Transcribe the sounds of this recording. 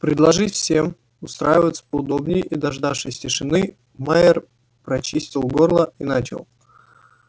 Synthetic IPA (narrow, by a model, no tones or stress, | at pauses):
pɾʲɪd̪lˠɐʐɨtʲffsʲe̞m | ʊst̪ɾajɪvət̪sə̥pəd̪o̞bnʲɪjʔid̪ɐʐd̪afʂɨsʲtʲɪʂɨnɨ | maɪr | pɾɐt͡ɕisʲtʲɪlˠɡorlˠəinat͡ɕɪ̰lˠ